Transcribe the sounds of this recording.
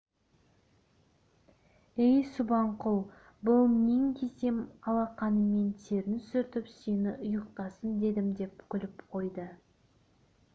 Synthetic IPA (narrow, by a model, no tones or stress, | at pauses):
ejsʊbɑɴqʊlˠ | bʊlˠmeŋkʲʰe̞se̞mɑlˠɑqɑnəme̞nt̪ʰeɾɪnsʏɾt̪ɪpse̞nɪʔʊjəq̚t̪ɑsənd̪e̞d̪ɪmd̪e̞p̚kʲʰʏlɪpqʰo̞jd̪ə